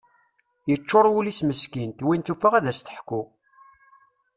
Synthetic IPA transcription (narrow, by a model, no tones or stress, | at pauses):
jət͡ʃːoɾˤwulisməskint̪winθufəʁæðæst̪ə̥ħkːu